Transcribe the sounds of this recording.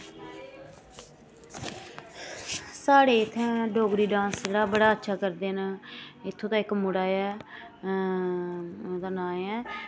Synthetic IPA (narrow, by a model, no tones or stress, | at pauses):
saːɽeːɪt̪ʰːɛ̃ːɖoːɡɾiːɖãːnsd͡ʒeːɽaːbəɽaːətːʃʰaːkəɾd̪eːnɪt̪ʰːõːt̪ãːɪkmʊɽaːɛː | d̪aːnaːɛː